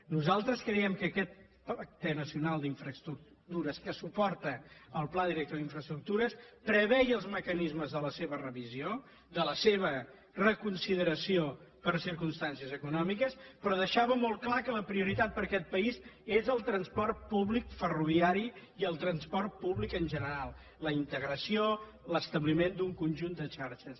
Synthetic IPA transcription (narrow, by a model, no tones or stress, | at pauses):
nuzalˠt̪ɾəskɾɛjɛmkəːkɛt̪̚ | ak̚t̪ənəsiunalˠd̪iɱfɾəst̪ɾuk | t̪uɾəskəsupɔrt̪əəlˠplaðiɾɛk̚t̪oðiɱfɾəst̪ɾuk̚t̪uɾəspɾəβɛjəlˠzməkənizməzðələseβərəβizio | d̪ələseβə | rəkunsiðəɾəsiopəɾsiɾkumst̪ansiəzəkunɔmikəspɾɔðəʃaβəmɔlˠklakələpɾiuɾit̪at̪̚pəɾkɛt̪̚pəizezəlˠt̪ɾənspɔrt̪̚puβlikfəruβ̞iaɾiiəlˠt̪ɾənspɔrt̪̚puβlikənʲʒənəɾalˠ | ləint̪əɣɾəsio | ləst̪əβlimend̪uŋkunʒund̪ət͡ʃaɾʃəs